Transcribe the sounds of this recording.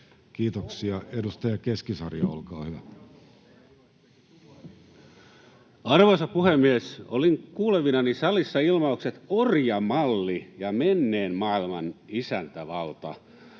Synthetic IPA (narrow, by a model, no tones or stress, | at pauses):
kiːt̪oksiɑedust̪ɑjɑkeskisɑrjɑ̰olkɑːhyʋæ | ɑrʋosɑpuhemːiesoliŋkuːleʋinɑnisɑlisːɑilmɑukset̪orjɑmɑlːijɑmenːeːnmɑːilmɑnisænt̪æʋɑlt̪ɑ̰